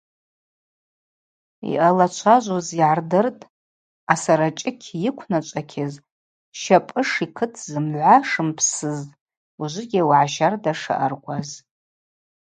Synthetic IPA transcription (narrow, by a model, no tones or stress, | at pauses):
ḭʔalat͡ʃʷʰaʒʷoziʕardɨrtʼ | asaɾat͡ʃʼɪkʲʰjɪkʷʰnat͡ʃʷʼakʲʰɪz | ʃapʼɨʂikʰɨtʰzɨmʕʷaʂɨmpʰsɨz | uʒʷɪɡʲɪwʕaʃardaʂa̰ʔarkʷʼaz